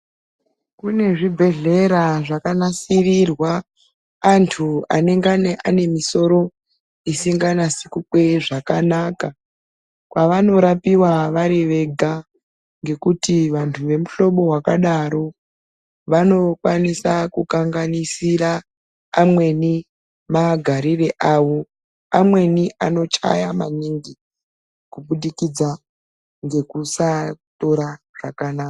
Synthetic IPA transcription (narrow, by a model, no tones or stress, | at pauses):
kune̞ʐibʱe̞ɮe̞ɾaʐakanasirirwaː | ntʰuane̞ŋɡaneʔane̞miso̞ɾo̞ | isiŋɡanasikukwe̞ʐakanaːka | kwaʋano̞ɾapiwaʋaɾeʋe̞ɡʱa | ŋɡe̞kutiʋantʰuʋe̞muɬo̞ɓo̞ɦwakaɗaɾo̞ | ʋano̞kwanisakukaŋɡanisiraː | mwe̞ni | maɡʱaɾire̞ʔaʋo̞ | amwe̞niʔano̞t͡ʃa̰jamaɲiŋɡi | kuɓuɗikid͡za | ŋɡe̞kusato̞ɾa | ʐ̥akanaːka